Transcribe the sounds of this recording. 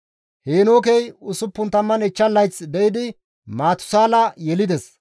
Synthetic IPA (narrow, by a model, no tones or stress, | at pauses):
heːnoːkejʊsʊpːʊnt̪ɐmːɐnɛt͡ʃːɐlːɐjt͡sd̪ɛʔɪd̪ɪ | maːt̪ʊ̥saːlɐjɛlɪd̪ɛs